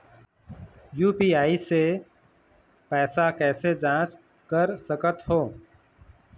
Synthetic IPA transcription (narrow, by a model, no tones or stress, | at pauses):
juːpiːaːiːseː | pɛːsakɛːsed͡ʒãːt͡ʃ | kəɾsəkət̪ɦoː